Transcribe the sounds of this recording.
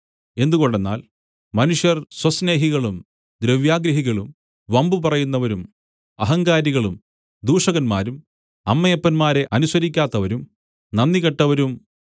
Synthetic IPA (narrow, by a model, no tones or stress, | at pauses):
e̞nd̪uɣo̞ɳɖe̞nːa̰ːl | mɐnuʂjɐrswɐsne̞ːɦiɣɐɭum | d̪ɾɐʋjaːɡɾɐɦiɣɐɭum | ʋɐmbupɐrɐjunːɐʋɐɾum | ɐɦɐŋɡaːɾiɣɐɭum | d̪uːʂɐɣɐnma̰ːɾum | ɐmːɐjɐpːɐnmaːɾe̞ʔɐnusɐɾikʲːaːt̪ːɐʋɐɾum | nɐnːiɣɐʈːɐʋɐɾum